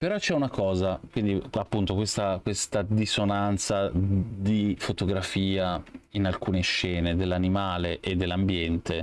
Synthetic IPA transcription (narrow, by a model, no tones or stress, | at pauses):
peɾɔt͡ʃɛunakɔːzakkwind̪iapːunt̪okwest̪akwest̪ad̪isonant̪sad̪ifot̪oɡɾafiːainalkuːneʃːɛːned̪elːanimaːleʔed̪ːelːambjɛnt̪e